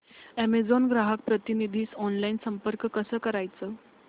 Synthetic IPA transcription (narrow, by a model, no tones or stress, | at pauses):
æmed͡zonɡɾaɦək̚pɾət̪inid̪ʱiːsɔnlainsəmpəɾkkəsəːkəɾajt͡səː